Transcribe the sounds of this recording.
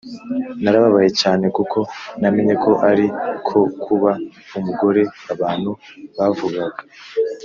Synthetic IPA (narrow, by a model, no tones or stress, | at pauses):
naɾaβaβaje̞caːne̞kukʰo̞nameɲe̞kʰo̞ʔaɾikʰo̞kʰuβa | umuɡo̞ɾe̞aβaːn̥huβavuɡaɡa